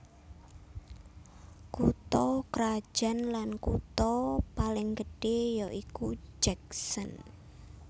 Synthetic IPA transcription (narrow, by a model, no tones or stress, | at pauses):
kut̪ɔkɾḁʒ̥a̤nlankṵt̪ɔpalɪŋɡəɖ̥ejɔʔikud͡ʒɛk̚sən